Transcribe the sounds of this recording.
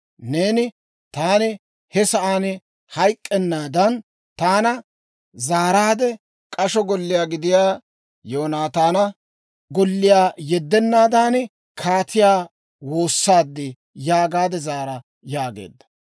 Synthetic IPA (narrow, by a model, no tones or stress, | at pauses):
neːnɪ | t̪aːnɪ | hɛsɐʔaːnɪ | hɐjkʼːɛnːaːd̪ɐn | t̪aːnɐ | zaːɾaːd̪ɛ | kʼɐʃɔɡɔlːɪjaːɡɪd̪ɪjaː | joːnaːt̪aːnɐ | ɡɔlːɪjaːjɛd̪ːɛnːaːd̪aːnɪ | kʰaːt̪ʰɪjaː | wo̞ːsːaːd̪ːɪ | jaːɡaːd̪ɛzaːɾɐ | jaːɡḛːd̪ːɐ̥